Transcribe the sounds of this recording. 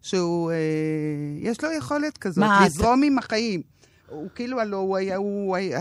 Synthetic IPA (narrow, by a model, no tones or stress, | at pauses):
ʃeue | jeʃlojeχo̞letkazotlizʁomimhaχajim | ukiilualouajauaj